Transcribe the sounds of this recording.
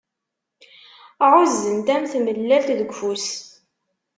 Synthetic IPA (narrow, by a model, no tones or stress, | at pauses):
ʁʊzːənt̪æmθməlːælt̪ðəɡʷfus